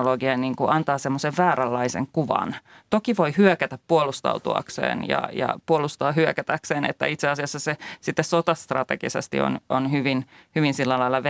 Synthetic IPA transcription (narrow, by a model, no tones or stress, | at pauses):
loɡiɑniːŋkuʔɑnt̪ɑːsemːoseʋʋæːɾælːɑisḛŋkuʋɑ̰nt̪okiʋoihyøkæt̪æppuolust̪ɑ̰ut̪uɑ̰ksḛːnjɑ̰jɑ̰puolust̪ɑːhyøkæt̪ækseːnḛt̪ːæ̰it̪seɑsiɑsːɑsesit̪ːessot̪ɑst̪rɑ̰t̪eɡ̥ḭsḛst̪ḭo̰nonhyʋinhyʋinsilːælɑilːˑɑʋ